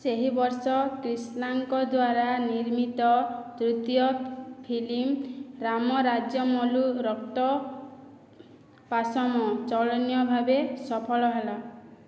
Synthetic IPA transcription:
seɦibɔɾsɔkɾisnaŋkɔd̪waɾaniɾmit̪ɔd̪ɾut̪jɔpʰilimɾamɔɾad͡ʒjɔmɔluɾɔkt̪ɔ | pasɔmɔt͡ʃɔɭɔnjɔbʱabesɔpʰɔɭɔɦela

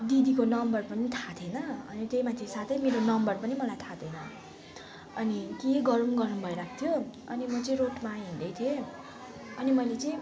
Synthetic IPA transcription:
d̪id̪ikonʌmbʌrpʌnit̪ʰat̪ʰenʌʌnit̪ejmat̪ʰesat̪ʰʌjmeɾonʌmbʌrpʌnimʌlajt̪ʰat̪ʌnʌ | ʌnikeɡʌɾumɡʌɾumbʱʌiɾak̚ʰt̪ʰjo | ʌ̰nimʌt͡sʌĩɾoʈmaj̃ɦind̪ʌjt̪ʰie | ʌnimʌjlet͡sʌĩ

